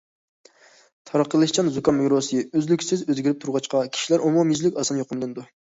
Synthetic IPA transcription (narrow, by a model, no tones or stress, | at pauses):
t̪ʰɑɾɑqːəlˠɨʃt͡ʃʰɑnzukɑnmɨɡɾosɨøzlykʲsɪzøzɡʲɪɾɪp̚t̪ʰuɾʁɑt͡ʃqɑkʲʰi̥ʃilæɾomomjyzlykʲɑsɑnjoqʰəmɨlˠɨnd̪u